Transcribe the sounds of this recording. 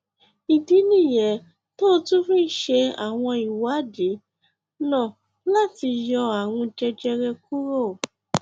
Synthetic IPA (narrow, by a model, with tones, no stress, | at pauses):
i˨di˨˦nĩ˦˨jɛ˨˦ | to˦˧tũ˦fĩ˦n̩˦ʃe˧a̰˨w̃ɔ̃˧i˨wa˨˦˨de˨˦ | nã˦˨ | la˦˨ti˧jɔ˧a˨w̃ũ˧d͡ʒɛ˧d͡ʒɛ˧ɾɛ˧ku˦ɾo˦˨